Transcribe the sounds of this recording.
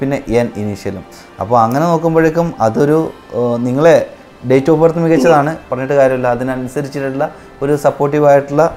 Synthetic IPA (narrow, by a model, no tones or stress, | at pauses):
pinːe̞ʔeniniʂjɐlṵm | ɐ̰pːoːɭɐŋːɐne̞no̞ːkːumbo̞ɻekʲːumɐðo̞ɾu | niŋːɐɭe̞ | ɖe̞jtːo̞ːpːɐrt̪ːɐmikːɐt͡ɕːɐðaːɳɨpɐrɐɲːoʈːɨkaːɾjɐmɐlːɐːðinɐnusɐɾit͡ɕːiʈːuɭːɐ | o̞ɾusɐpːo̞ːʈ̬ːiʋaːjiʈːuɭːɐ